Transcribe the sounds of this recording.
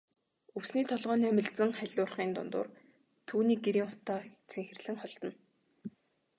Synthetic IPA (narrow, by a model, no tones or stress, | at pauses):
ɵwsniːt̪ʰɔɮʁœːniːæmʲɪ̆ɮt͡sə̆ŋχæɮʲʊːrχiːnt̪ʊ̰nt̪ʊ̰ːr | t̪ʰuːniːk̚ɡeɾiːŋɔ̥t̪aːt͡sʰeŋxɘ̆rɮɘ̆ŋχɔɮt̪ɞ̆n